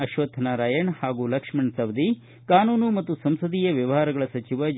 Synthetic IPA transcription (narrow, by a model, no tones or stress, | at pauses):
ɐʃʋɐt̪ʰɐnaɾaːjɐɳhaːɡuːlɐkʂmɐɳsɐʋd̪i | kaːnuːnumɐt̪ːusɐmsɐd̪iːjɐʋjɐʋɐɦaːɾɐɡɐɭɐsɐt͡ʃiʋɐ